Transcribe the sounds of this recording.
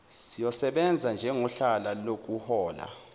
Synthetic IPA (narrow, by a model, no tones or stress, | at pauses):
sijɔsɛɓɛnd͡zʱand͡ʒʱɛŋɔɬalalok̬uhɔːla̰